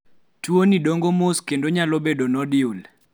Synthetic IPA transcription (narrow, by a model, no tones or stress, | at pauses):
twonidoŋɡomoskendoɲalobedonɔdɪul